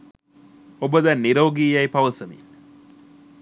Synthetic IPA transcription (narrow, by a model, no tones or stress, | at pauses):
obəd̪ɐnːiɾoːɡiːjɐipɐʋəsəmḭn